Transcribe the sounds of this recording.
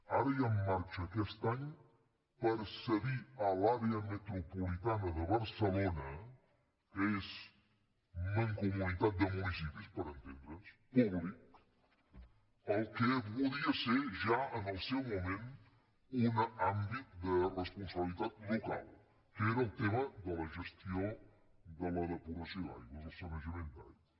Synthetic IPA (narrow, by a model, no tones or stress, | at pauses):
aɾɐjaːaɾt͡ʃɐkɛst̪aɲ | pəɾsəɣialaɾeɐmet̪ɾopolit̪anɐðəβɐɾsəlonɐ | kez | mẽŋkomunit̪at̪̚d̪əmunis̬ipispəɾənt̪ẽnd̪ɾəspuβlik | ɐwkepoðiɐseɾʒaɐnɐwsewmomẽnt̪u | unɐãmbit̪d̪ɐrespõsɐβelˠiðaðloka̰lˠ | kɛɾɐut̪emɐd̪ɐlɐʒest̪jõw̃ | d̪ɐlɐðɐpuɾɐsia̰jkɐzoɾsɐmɐʒemẽnt̪aj